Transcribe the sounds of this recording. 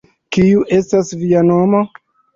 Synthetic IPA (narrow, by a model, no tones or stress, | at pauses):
kiuʔe̞stasviano̞mo̞